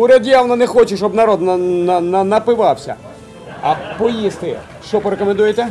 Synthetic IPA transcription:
ʊɾʲɛd̪ʲjawnɐnɛxɔt͡ʃɪʃɔbnɐɾɔd̪nnnɐnɐpɪʋɑwsʲɐ̰ | ɐpɔjist̪ɪ | ʃt͡ʃɔpɔɾekɔmẽnd̪ujet̪ɛ

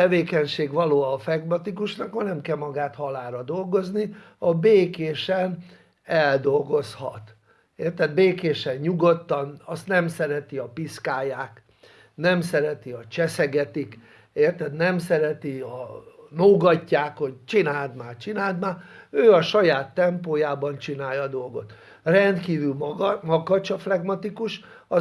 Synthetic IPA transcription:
ɛveːkɛɲʃeːɡʋɒloːfɛɡmɒt̪ikuʃnɒkhɒnɛmkɛlmɒɡaːt̪hɒlaːɾɒd̪o̞lɡo̞zni | ɒbeːkeːʃɛn | ɛld̪o̞lɡo̞shɒ̰t̪ | eːrt̪ɛd̪beːkeːʃɛɲɲuɡot̪ːɒnɒst̪nɛmsɛɾɛt̪iɒpiskaːjaːk | nɛmsɛɾɛt̪iɒt͡ʃɛsɛɡɛt̪ik | eːrt̪ɛd̪nɛmsɛɾɛt̪iɒnoːɡɒcːaːkho̞ɟt͡ʃinaːld̪maːt͡ʃinaːld̪maːøːɒʃɒjaːt̪ːɛmpoːjaːbɒnt͡ʃinaːjɒd̪o̞lɡo̞t̪ | rɛnd̪kiːvylmmɒɡɒt͡ʃɒflɛɡmɒt̪ikuʃ | ɒ

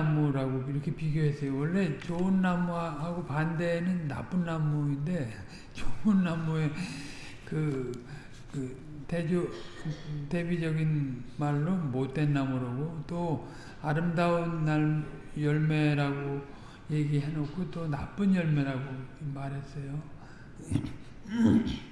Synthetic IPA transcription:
muɾaɡoiɾʌkʰe̞piɡjoɦe̞s͈ʌjowʌɭːe̞t͡ɕoɯnːamuaɦaɡopande̞nɯnːa̰p͈ɯnːamuinde̞ | t͡ɕoɯnːamue̞ | kɯ | kɯ | te̞d͡ʑo | te̞bid͡ʑʌɡinmaɭːomot̚t͈e̞nːamuɾoɡot͈o | aɾɯmdaunːaɭjʌɭme̞ɾaɡo | je̞ɡiɦenokʰot͈ona̰p͈ɯnjʌɭme̞ɾaɡoimaɾɦe̞s͈ʌjo

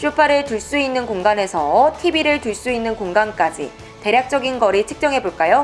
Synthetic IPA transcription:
ɕ͈ʰupʰaɾɯɭtuɭs͈uinːɯnkoŋɡane̞sʰʌtʰibiɾɯɭtuɭs͈uinːɯnkoŋɡank͈ad͡ʑḭ | te̞ɾjak̚t͡ɕ͈ʌɡinɡʌɾit͡ɕʰɯ̥k̚t͡ɕ͈ʌŋɦe̞boɭk͈ajo

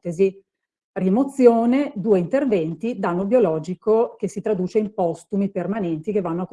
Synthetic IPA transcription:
t̪ezi | rimot̪sːjoːned̪uːeint̪ervɛnt̪id̪anːobjolɔːd͡ʒikok̟esit̪ɾad̪uːt͡ʃeimpɔst̪umipermanɛnt̪ikevːanːoak

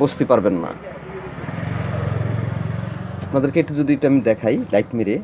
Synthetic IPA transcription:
bost̪ipaɾbenːa̰ | mad̪eɾkeeʈːud͡ʑod̪ieʈamid̪ɛkʰajlajʈmeɾe

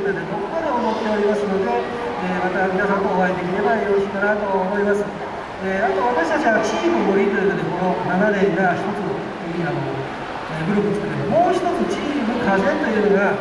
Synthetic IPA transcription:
ot̪od̪ed̪okomad̪eomo̞t̪ːe̞o̞ɾʲimasɨno̞d̪e̞ | eːmat̪amʲinasãŋkoːβaid̪e̞kʲiɾe̞baoɕiːk̪anat̪o̞omo̞imasɨ | eat̪o̞βat̪aɕi̥t̪aɕt͡ɕiβat͡ɕiːbɯ̟boɾʲiːt̪ojɯt̪od̪e̞ko̞no̞nanad̪e̞iɾaçi̥t̪o̞t͡sɨ | iano̰ | ebɯ̟ɾokɯi̥t̪ek̪ed̪omo̞ːçi̥t̪o̞t͡sɨt͡ɕiːbɯ̟kazẽnt̪o̞jɯ̟ːnooɡa

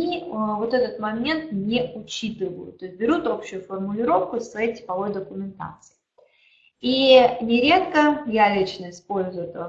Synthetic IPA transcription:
ivo̞t̪ɛt̪ət̪mɐmʲent̪nʲeʔʊt͡ɕit̪ɨvəjʊ̰t̪t̪ːo̞ɪst̪̚ʲbʲɪɾʲut̪o̞pɕːʊjʊfərmʊlʲɪɾo̞fkʊsɛtʲɪ̥pɐvo̞jd̪əkʊmʲɪnt̪a̰t̪sɨ̥ɪ | inʲɪɾʲe̞t̪kəjalʲit͡ɕnəɪspo̞lʲzʊjɛt̪əə

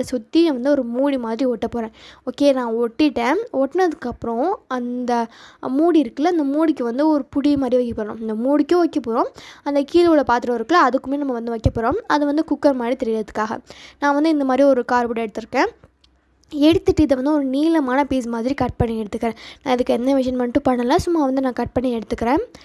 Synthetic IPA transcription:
d̪ɐsʊt̪ːiɐ̃ʋɐnd̪ɯɔɾɯmuːɽimaːðɾiɔʈːɐpːoːɾẽːoːkeːnãːɔʈːɪʈːẽːɔʈːnɐðɯkːɐpːɯɾõɐnd̪ɐmuːɽiɪɾɯkːɐlːɐɪnd̪ɐmuːɽɪkːɯʋɐnd̪ɯɔɾɯpʊɽijɐmaːd̪ɾiʋɐkːɐpːoːɾɐɳõɪnd̪ɐmuːɽɪkːõʋɐkːɐpːoːɾõːɐnd̪ɐkiːlʋɔɭɐpaːɾt̪ɯɾɐ̃ɪɾɯkːɐlɐɐðɯkːɯmeːnɐmːɐʋɐnd̪ɯʋɐkːɐpːoːɾõːmɐðɯʋɐnd̪ɯkʊkːɐɾmaːɽit̪ɛɾɪɾɐðɯkːaːɣɐ̰nãːʋɐnd̪ɯɪnd̪ɐmaːd̪ɾiɔɾɯkaːɾbʊɽɛɽɯt̪ːɯɾɯkːẽː | ɛɽɯt̪ːɯʈːɯɪðɐʋɐnd̪ɯɔɾɯniːlɐmaːnɐpiːs̬maːðɪɾikɐʈ̚pɐɳːiɛɽɯt̪ːɯkːɪɾẽːnãːɪðɯkːɯɛnːɐʋɪʂ̬ɐnmɐnʈːɯ̃pɐɳːɐlːɐsʊmːaːʋɐnd̪ɯnãːkɐʈ̚pɐɳːiɛɽɯt̪ːɯkːɪɾẽː

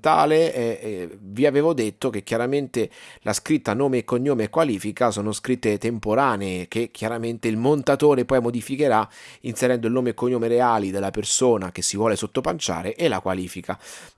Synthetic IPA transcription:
t̪a̰ːleɛviaveːvod̪et̪ːok̟ek̟ːjaɾament̪elʔaskɾit̪ːanoːmeːkːoɲːoːmeɛkːwaliːfikasoːnoskɾit̪ːet̪empoɾaːneek̟ek̟ʰjaɾament̪eilmont̪at̪oːɾepɔjmod̪ifikeɾainseɾɛnd̪oilnoːmeːkːoɲːoːmeɾeaːlid̪elːapersoːnak̟esːivwɔːlesot̪ːopant͡ʃa̰ːɾeʔɛlːa̰kwa̰liːfika

